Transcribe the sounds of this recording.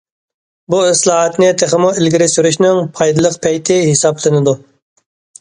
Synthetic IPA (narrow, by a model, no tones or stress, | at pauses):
buɪslˠɑːɦɑt̪nɪt̪ʰeχɪmuɪlɡʲiɾɪsyɾyʃnɪŋpʰɑjd̪ɨlˠəqpʰɛjt̪ʰɪhɪsɑblˠɪnɪd̪u